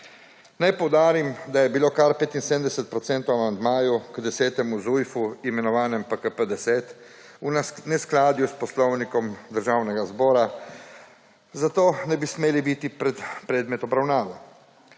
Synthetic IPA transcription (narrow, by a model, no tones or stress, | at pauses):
najpɔwd̪aːɾimd̪ajɛbiloːkaɾpeːt̪insemd̪ɛsɛt̪̚pɾɔt̪sɛnt̪owamand̪maːjukd̪ɛsɛːt̪ɛmuzujfuimɛnɔʋaːnɛmpəkəpəd̪ɛsɛːt̪ | unɛsklaːd̪juspɔslɔwnikɔmd̪əɾʒaːwnɛɡazbɔːɾa | zat̪oːnɛbismeːlibit̪ipɾɛt̪pɾɛːd̪mɛt̪ɔbɾawnaːʋɔ